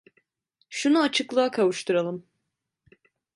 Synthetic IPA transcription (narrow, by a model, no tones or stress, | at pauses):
ʃunuat͡ʃʰɯklˠaakʰavuʃt̪ʰuɾalˠɯm